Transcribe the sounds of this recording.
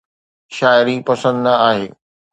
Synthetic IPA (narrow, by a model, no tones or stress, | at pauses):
ʃaːɪɾipɐsə̃nd̪nɐaːɦeː